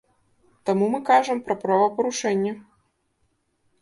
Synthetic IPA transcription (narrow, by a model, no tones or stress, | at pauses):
t̪amumɨkaʐɐmpɾɐpɾavɐpɐɾuʂɛnʲːɐ